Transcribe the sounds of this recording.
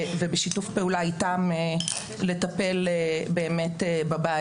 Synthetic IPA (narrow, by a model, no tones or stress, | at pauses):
vebeʃitufpe̞ulaitame | le̞tape̞lebe̞ːme̞tebaba